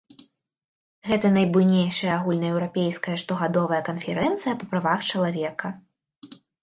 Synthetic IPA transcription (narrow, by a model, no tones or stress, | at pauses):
ɣɛt̪ɐnɐjbujnʲejʂɐjɐaɣulʲnɐɛwɾapʲejskɐjɐʂt̪ɔɣad̪ɔvɐjɐkɐnfʲɛɾɛnt̪sɨjɐpɐpɾavaxt͡ʂɐlˠavʲɛkɐ